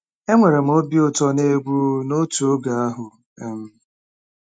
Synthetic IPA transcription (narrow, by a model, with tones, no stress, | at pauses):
e˦ŋʷe˨ɾe˨m̩˨˦o˦bi˦ʊ˦˨tɔ˦ne˦ɡʷu˦no˦tu˨o˦ɡa˨a˦ɦʊ˨ | e˦m̩˦